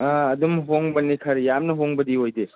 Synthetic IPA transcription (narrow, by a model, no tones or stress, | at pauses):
ɐdumɦoŋbɐnikʰɐɾjamnɐɦoŋbɐdiɦojde